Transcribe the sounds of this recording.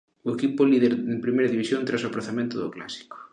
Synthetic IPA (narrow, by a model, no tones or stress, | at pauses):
ʊekipʊliðeɾempɾimejɾɐðiβisjõnt̪ɾasoapɾoθamẽnt̪ʊðʊ̰kla̰si̥ko̥